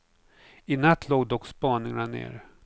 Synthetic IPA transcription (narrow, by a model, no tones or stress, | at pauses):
ɪnat̪ʰːloːɡd̪ɔkspɑːnɪŋanḛːɾ